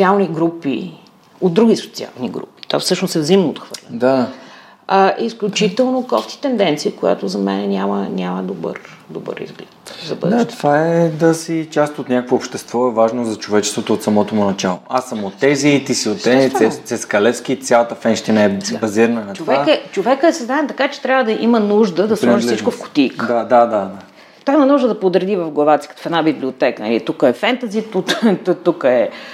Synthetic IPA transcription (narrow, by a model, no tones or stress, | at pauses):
otsialˠniɡɾupḭ | od̪̚d̪ɾuɡʲiso̥t̪sia̰lˠnḭɡɾṵpi̥t̪o̰fsɤʃnosɛvzimnəo̰t̪xvə̰ɾlʲɐ̰d̪a | aʔisklʲut͡ʃit̪ɛlˠnokɔft̪i̥t̪ɛnd̪ɛnt̪sikoja̰t̪ozɐmɛ̰nɛnʲamə̰nʲaməd̪obə̰ɾd̪obə̰ɾḭzɡlɛt̪zɐbə̰d̪aʃt̪ovaɛd̪ɐsit͡ʃast̪ot̪nʲakəkvoːpʃt̪ɛst̪vɔɛvaʒnozɐt͡ʃovɛt͡ʃɛ̥st̪vot̪ot̪sɐmɔt̪omʊnɐt͡ʃalˠoasːəmot̪ːɛzit̪isiot̪ːɛiɛsɛskɐlɛt̪skit̪sʲjalˠɐt̪əfɛnʃt̪inɐɛd̪sɛbɐziɾənənɐtt͡ʃ̪ovɛakɛt͡ʃovɛkəsɛznaɛmt̪ɐkat͡ʃɛ̥t̪ɾʲavəd̪ɐʔimənuʒd̪əd̪ɐsɔʒilsiʒit͡ʃkʊfkʊ̥t̪ijkədd̪ad̪ad̪ad̪a | t̪ovaimɐnuʒd̪əd̪ɐpod̪ɾd̪ivɐvɡlˠɐvat̪si̥kət̪o̥fɛd̪nabibliot̪ɛkənɐ̰lḭt̪ukəɛfɛnt̪ɐzit̪ut̪t̪ukəɛ